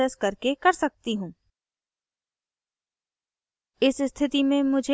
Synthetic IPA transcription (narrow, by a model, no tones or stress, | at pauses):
əskɐɾkekɐɾsɐk̚t̪iɦũː | ɪsst̪ʰɪt̪imẽmʊd͡ʒʱe